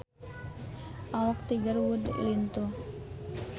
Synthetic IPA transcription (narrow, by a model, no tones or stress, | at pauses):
ʔawak̚t̪iɡərwud̪̰lint̪o